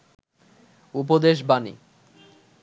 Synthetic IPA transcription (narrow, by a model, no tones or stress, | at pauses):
up̬od̪eʃ̬banḭ